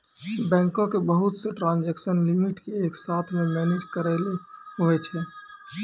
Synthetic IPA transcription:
bɛ̃ːŋkõkebəɦut̪seʈɾãːnd͡ʒɛksənlimiʈkeːksaːt̪ʰmẽmɛːned͡ʒkəɾɛleɦoʋɛt͡ʃʰɛː

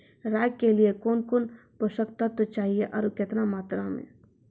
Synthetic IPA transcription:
ɾaːjkeliekoːnkoːnposəkt̪at̪ot͡ʃaːɦieʔɔɾkɪt̪namaːt̪ɾamḛ̃

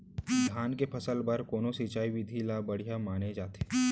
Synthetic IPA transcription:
d̪ʱjaːnkepʰɐsəlbɐɾkoːnosit͡ʃaːiʋɪd̪ʱilabɐɽ̤ijamaːned͡ʒaːt̪e̥

